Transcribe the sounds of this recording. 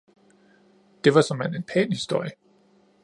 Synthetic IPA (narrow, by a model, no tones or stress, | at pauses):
d̥e̝ʋɑ̈sɒ̽mæne̝npʰɛ̰ːnhisd̥o̝ɐ̰jə